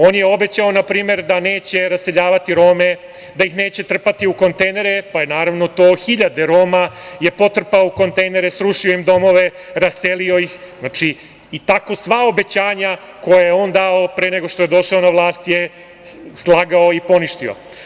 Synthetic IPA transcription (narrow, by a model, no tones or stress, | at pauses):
o̞ːnjeo̞bet͡ɕaonapɾiːme̞ɾd̪aneːt͡ɕe̞ɾase̞ʎaːʋat̪iɾo̞ːme | d̪ajixne̞ːt͡ɕe̞t̪r̩pat̪iuko̞nt̪ejne̞ɾepajenaːɾaʋno̞t̪o̞ːxiʎad̪eɾo̞ːmaje̞pot̪r̩paouko̞nt̪ejne̞ɾesɾuʂioimd̪o̞mo̞ʋe̞ɾaselio̞jixznat͡ʂiː | t̪ako̞sʋaobe̞t͡ɕaːɲa | ko̞jajeo̞ːnd̪ao̞pɾeneɡo̞ʃt̪o̞je̞d̪o̞ʃaonaʋlˠaːst̪je | slˠaːɡaoipo̞niʃt̪io̰